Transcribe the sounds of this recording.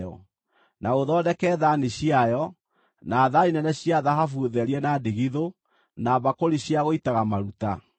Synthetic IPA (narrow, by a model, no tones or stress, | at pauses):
ɔ̰ | naoðɔːdɛkɛːðaneɕiajɔ | naːðaɾinɛnɛɕiaðahafuðɛɾiɛnadeɣiðo | naβakoɾiɕjaɣoitaɣamaɾuta